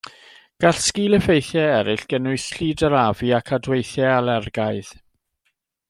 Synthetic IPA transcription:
ɡ̥aɬskiːlˠəfejθjɛɛɾɪɬɡ̥ɛnʊɨθɬiːdəɾaviakʰadwejθjɛalɛrɡaɨð

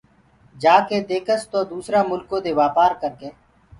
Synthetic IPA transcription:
d͡ʒaːkeːd̪eːkʰəst̪oːd̪uːsɾaːmʊlkõːd̪eːʋaːpaːɾkəɾkeː

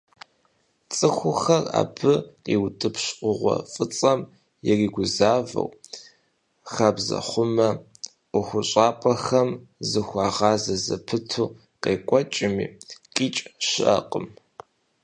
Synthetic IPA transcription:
t͡sʼɨxʷʊxɐra̰ːbɨqiwtʼɨpʰɕʷʊʁʷɔ̰fʼɨt͡sʼɐm | jɛriːɡʷʊzaːvɐ̰w | xaːbzɐ̰χʷʊmɐ | ʊxʷʊɕʼaːpʼɐxɐmzɨxʷɑːʁɑːzɐzɐpʰɨtʰu | qeːkʷʼɔt͡ʃʼɪmiːkʼiːt͡ʃʼʃɪʔɐqʼəm

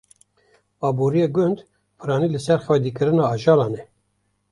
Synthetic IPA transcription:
ɑːbuːɾijeɡʊnd̪ | pʰɨɾɑːniːlɨsɛɾχɛd̪iːkɨɾɨnɑːɑʒɑːlɑːnɛ

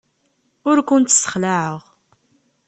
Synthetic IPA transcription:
ʊɾkʷʊnt̪ːsə̥χlaʕəʁ

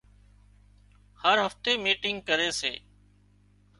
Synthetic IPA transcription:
həɾɦəft̪eːmiːʈɪŋɡ̚kəɾeːsḛː

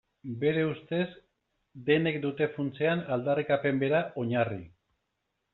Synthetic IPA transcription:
be̞ɾe̞ust̪e̞z | d̪e̞ne̞kd̪ut̪e̞funt͡seanald̪arikape̞mbe̞ɾaʔo̞ɲari

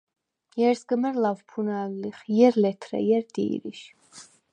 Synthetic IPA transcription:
jɛɾsɡəmɛɾlavpʰunalliχjɛɾlɛt̪ʰɾɛ̰jɛɾd̪ḭːɾḭʃ

